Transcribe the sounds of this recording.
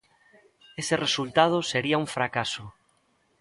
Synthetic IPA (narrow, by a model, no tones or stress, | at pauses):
eseresult̪að̞oseɾiauɱfɾakaso